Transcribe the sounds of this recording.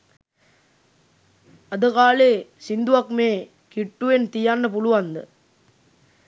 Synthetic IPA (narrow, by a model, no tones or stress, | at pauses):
ɐd̪əkaːleːsind̪uʋɐkmeː | kiʈːuʋent̪ijanːɐpuluʋɐnd̪ə̰